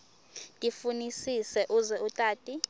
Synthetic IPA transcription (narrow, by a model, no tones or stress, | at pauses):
tʼifunisisɛʔuzɛutʼaːtʼi